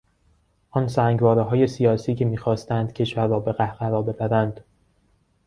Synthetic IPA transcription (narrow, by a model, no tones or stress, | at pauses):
ʔɒnsæːŋɡvɒːɾeɦɒːje̞sijɒːsiːcʰe̞miːxɒːst̪ænd̪̥cʰe̞ʃvæɾːɒːbe̞ɣæhʁæɾɒːbe̞bæɾænd̪̥